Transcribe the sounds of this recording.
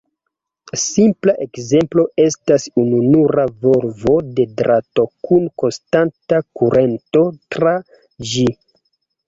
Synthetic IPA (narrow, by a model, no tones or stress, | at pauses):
simplaʔekze̞mplo̞ʔe̞stasununuɾavo̞ɾvo̞de̞dɾato̞kʰunko̞nstantakuɾʔe̞nto̞tɾa | d͡ʒi